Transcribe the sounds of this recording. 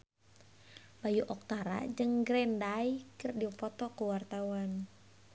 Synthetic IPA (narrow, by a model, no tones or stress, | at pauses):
bajuʔɔk̚t̪aɾa̰d͡ʒɨŋɡɾɛndaikɨrdipɔt̪ɔkuwart̪auan